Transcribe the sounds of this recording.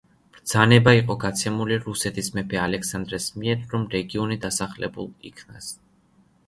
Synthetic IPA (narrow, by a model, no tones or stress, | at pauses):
b̥ɾd̪z̥anɛbaiqʼɔɡat̪sʰɛmuliɾusɛt̪ʰismɛpʰɛalɛksand̪ɾɛsmiɛɾɾɔmɾɛɡiɔnid̪asaχlɛ̰bṵlˠḭkʰnas